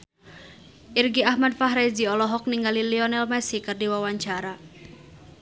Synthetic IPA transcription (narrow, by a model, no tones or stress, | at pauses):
ʔirɡiahmadfaɦɾɛd͡ʒiɔlɔɦɔk̚niŋɡaliliɔnɛlmɛsikɨrdiwawaɲt͡ʃaɾa